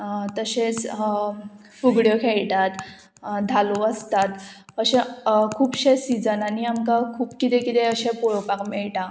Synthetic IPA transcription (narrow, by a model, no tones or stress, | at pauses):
t̪əɕet͡s | fuɡɽjokʰeɭʈat̪ | d̪ʱaluəst̪at̪ | əɕɛ̃kʰuːpɕesid͡zənaniamkakʰuːpkit̪ɛ̃kit̪ɛəɕɛ̃poɭopakmɛɭʈã